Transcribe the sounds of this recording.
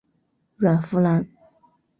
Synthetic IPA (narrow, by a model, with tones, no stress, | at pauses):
ɻa˨˩nfu˥la˧˥n